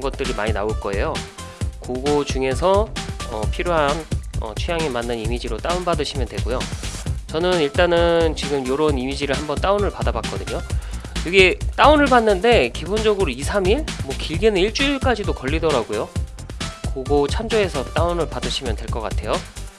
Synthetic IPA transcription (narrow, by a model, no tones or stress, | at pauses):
ɡʌt̚t͈ɯɾimaɲinaoɭk͈ʌe̞jo | koɡod͡ʑuŋe̞sʰʌʌpʰiɾjoɦanʌ̰t͡ɕʰujaŋemanːɯnimid͡ʑiɾot͈aunbadɯɕʰimjʌndwe̞ɡojot͡ɕʌnɯniɭt͈anɯnt͡ɕiɡɯmjoɾonimid͡ʑiɾɯɭhambʌnt͈aonɯɭpadabak͈ʌdɯɲojʌɡet͈aunɯɭbanːɯnde̞kibond͡ʑʌɡɯɾoisʰamiɭmwʌkiɭɡinɯiɭt͡ɕ͈uiɭk͈ad͡ʑidokʌʎːidʌɾaɡojo | koɡot͡ɕʰamd͡ʑoe̞sʰʌt͈aonɯɭpadɯɕʰimjʌndwe̞ɭk͈ʌk͈a̰tʰe̞jo